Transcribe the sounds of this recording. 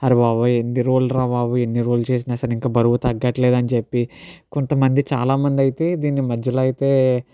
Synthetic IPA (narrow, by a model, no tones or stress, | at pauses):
ɐɾiʋaːʋɐenːiɾoːlɾaːʋaːʋɐenːiɾoːlt͡ʃeːs̬inaɐsɐliŋkaːbɐɾuʋɐt̪ɐɡːɐʈleːd̪ɐnit͡ʃepːikont̪ɐmɐnd̪it͡ʃa̰ːlaːmɐnd̪iɐjit̪e̞ːd̪iːnːimɐd͡ʒːɐloːɐjit̪e̞ː